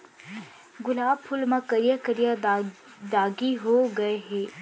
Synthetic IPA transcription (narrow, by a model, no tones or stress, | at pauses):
ɡʊlaːb̚pʰʊlmãkɐɾijakəɾija | d̪aːɡiɦoɡɐeɦɛː